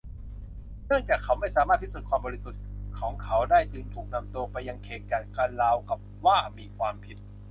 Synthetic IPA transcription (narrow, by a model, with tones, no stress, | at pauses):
nɯ˥˩əŋt͡ɕaː˨˩kʰːa˦˥wma˥˩jsaː˨˦maː˥˩t̪ʰːi˥˩u˨˩t̚kʰwaː˧mbɔ˧ɾi˧su˨˩t̪̚kʰɔː˩˦ŋkʰa˨˦˥wdaː˥˩jt̪ɯː˧nt̪ʰuː˨˩k̚na˧mt̪u˧ɐpa˧jːa˧ŋkʰeː˨˩k̚t͡ɕaː˨˩t̪̚kaː˧nlaː˦˥˩wka˨˩p̚waː˥˩miː˧kʰwaː˧mpʰi˨˩t̪̚